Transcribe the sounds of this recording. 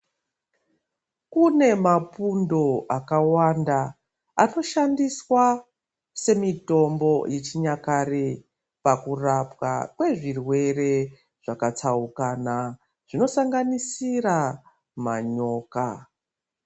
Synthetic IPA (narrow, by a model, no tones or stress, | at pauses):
kune̞mapundo̞ʔakawanda | ano̞ʃandiswa | se̞mito̞mbo̞jʔet͡ʃiɲakare | pakurapwa̰kwe̞ʐirwe̞re̞ | ʐ̥akat͡saukana | ʐ̥ino̞saŋɡanisira | ma̰ɲo̞ːka